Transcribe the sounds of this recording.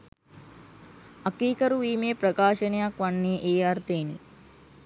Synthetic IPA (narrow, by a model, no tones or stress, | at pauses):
ɐkiːkɐɾuʋiːmepɾɐkaːʃɐnɐjakʋaɳːeːʔeːaɾt̪eːnḭ